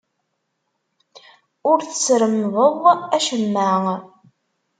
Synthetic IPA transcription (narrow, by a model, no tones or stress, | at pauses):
ʊɾθə̥sɾəmðˤəðˤæʃəmːæŋ